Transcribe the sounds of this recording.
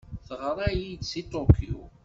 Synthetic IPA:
θəʁɾˤɑjid̪sit̪okːiṵ

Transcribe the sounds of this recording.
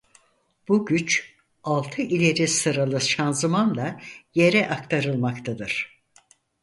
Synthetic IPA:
b̥uɟyt͡ʃ | alˠt̪ʰɯʔilʲe̞ɾisɯɾalˠɯʃanzɯmanlˠaje̞ɾɛʔakt̪ʰaɾɯlˠmakt̪ʰad̪ɯɾ̥

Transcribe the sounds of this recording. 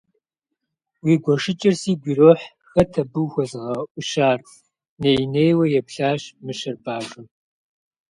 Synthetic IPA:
wiːɡʷɔʂɪt͡ʃʼɐrsiːɡʷiːroːħ | xɐtʰɐbɨwxʷɔzɨʁɐʔʷʊʃaːr | neːjneːjwɐjɛpɬaːɕmɨʃɐrbaːʒʼɨm

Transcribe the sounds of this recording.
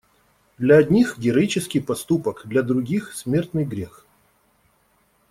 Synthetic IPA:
d̪lʲɐɐd̪ʲnʲixɡʲɪɾɐit͡ɕɪskʲɪjpɐst̪upəkd̪lʲɐd̪ɾʊɡʲixsmʲe̞rt̪nɨjɡɾʲex

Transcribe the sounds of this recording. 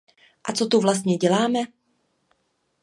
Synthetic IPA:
ʔat͡so̞t̪uvlas̬t̪̚ɲɛɟɛlaːmɛ

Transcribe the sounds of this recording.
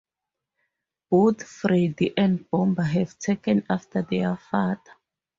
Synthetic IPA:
b̥ot̪fridiʔɛ̃ndb̥ɔ̃mbaɦɛvtʰekɛ̃naftʰaðɛafada

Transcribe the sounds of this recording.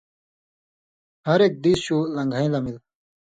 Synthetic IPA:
hɐɾek̚d̪iːsɕuːlɐ̃ŋɡʱaĩlɐmil

